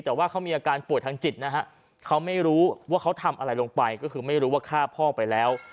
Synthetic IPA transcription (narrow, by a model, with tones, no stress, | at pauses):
t̪ɛː˨˩waː˥˩kʰa˦˥wmiː˧ʔa˧kaː˧npu˨˩ət̪̚ʰːa˧ŋt͡ɕi˨˩t̪̚na˦˥ɦa˦˥ʔ | kʰa˦˥wma˥˩jɾuː˦˥waː˥˩kʰa˦˥wt̪ʰa˧mʔa˧ɾa˧jlo˧ŋpa˧jkɔː˥˩kʰɯː˧ma˥˩jɾuː˦˥waː˥˩kʰaː˥˩pʰɔː˥˩pa˧jlɛː˦˥w